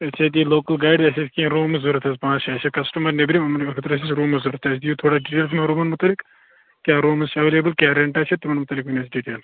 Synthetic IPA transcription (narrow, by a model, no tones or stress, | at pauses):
ɐt͡ʃʰet̪iːloːkɐlɡaːjɖd̪ɐsisʲkʲĩɾoːmɐzuɾɐt̪ɐːspãːt͡ʃʰaːt͡ʃʰɐkɐsʈɐmɐɾnɐbɾimɐmɐnɐkʰɨt̪ɾɐs̬isɾoːmɐzuɾt̪ɐːsʰd̪ijut̪ʰoːɽaːɖiːʈeːlsmɐɾumɐnmut̪ɐlik | kʲaːɾoːmɨzt͡ʃʰɐʋeleːbɐlkʲaːɾeːɳʈaːt͡ʃʰet̪ːimɐnmut̪ɐlːikʋunʲaːsɖiːʈeːl